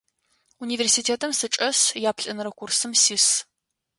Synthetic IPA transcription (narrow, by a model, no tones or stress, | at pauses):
uniːversiːtʰeːtʰɐmsɨt͡ʃʼɐsjaːpʰɬʼɐnɐɾɐkʷʊrsɨmsis